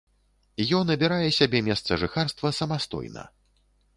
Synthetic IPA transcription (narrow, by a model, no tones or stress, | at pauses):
jɔnɐbʲiɾajɛsʲabʲɛmʲɛst̪sɐʐɨxarst̪vɐsɐmast̪ɔ̰jnɐ̰